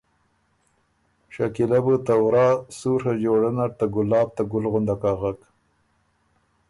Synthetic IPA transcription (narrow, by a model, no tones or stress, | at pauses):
ʃakilabət̪awɾɑːsuɾhad͡ʒoɽanaɽt̪aɡʊlːɑːb̚t̪aɡʊlɣʊnd̪akaɣak